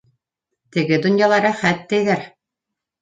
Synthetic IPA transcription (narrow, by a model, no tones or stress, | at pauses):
t̪ɘ̆ɡɘd̪unjɑlˠɑɾɤχæt̪ːɛjɡæɾ